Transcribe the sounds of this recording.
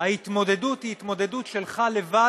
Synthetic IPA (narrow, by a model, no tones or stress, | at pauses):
hahit̪mo̞d̪e̞d̪ut̪hiːt̪mo̞d̪e̞d̪utʃe̞lχale̞va